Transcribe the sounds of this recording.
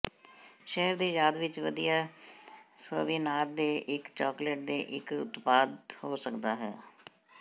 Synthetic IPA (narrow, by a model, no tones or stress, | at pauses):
ʃɛɦəɾd̪iːjaːd̪ʋɪt͡ʃʋəd̪ijaː | səːʋiːnaːɾd̪eːʔɪkt͡ʃɔːkləʈ̚d̪eːʔɪkʊ̰t̪paːd̪hoːsəkd̪aːɦɛː